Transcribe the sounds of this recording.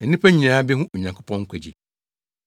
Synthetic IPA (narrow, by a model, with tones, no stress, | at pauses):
ɛ˨nĩ˦pʰæ˦ɲĩ˨nãː˨˦bɛ˦ɦʊ̃˦o˨ɲã˨ŋkʰʊ˦pʰɔ̃˦ŋ̩˦kʷʰɛ˨d͡ʑḭ˨